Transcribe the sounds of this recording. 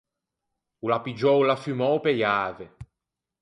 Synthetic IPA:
ulapid͡ʒɔwlafymɔwpejaːve

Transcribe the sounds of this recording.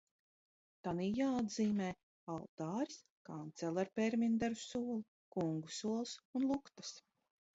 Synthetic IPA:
t̪anijaːad̪ziːmɛː | alˠt̪aːɾi̥s | kant̪sɛlˠaɾpɛɾmʲind̪aɾusuɔlˠu | kuŋɡusuɔlˠsunlˠukt̪ḁs

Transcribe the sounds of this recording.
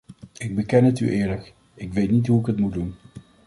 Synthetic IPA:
ɪɡ̚bəkɛnɦəty̰ʔɪːɹlək | ɪkʋejtnitɦuɪkɦətmudun

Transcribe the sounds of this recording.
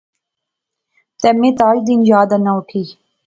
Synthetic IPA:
t̪emẽt̪aːd̪injaːd̪ɐnɐuʈʰiː

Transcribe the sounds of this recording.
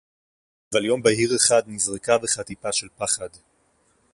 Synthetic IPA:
valjo̞mbahiʁeχad̪nizʁekaveχatipaʃe̞lpaχad

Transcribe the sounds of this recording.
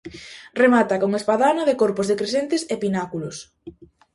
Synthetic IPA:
remat̪akoŋespaðanoðɪkoɾpʊzðekɾesent̪ɪsepinakulʊs

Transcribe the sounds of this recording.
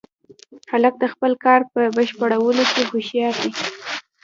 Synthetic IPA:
xalək̚d̪əxpəlkɑɾpəbəʃpəɽawəlokeɡoʃjɑt̪i

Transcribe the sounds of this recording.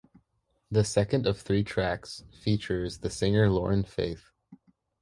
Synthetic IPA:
ðɨsɛkɨ̃ndʌv̥θɹitʰɹ̥æksfit͡ʃə˞zðɨsɪ̃ŋə˞lɔɹɨ̃nfḛɪθ

